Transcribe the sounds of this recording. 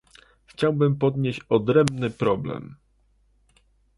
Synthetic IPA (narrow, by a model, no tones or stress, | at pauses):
xt͡ɕawbɘmpɔd̪ɲeɕt͡ɕɔd̪ɾɛmbnɘpɾɔblɛ̰m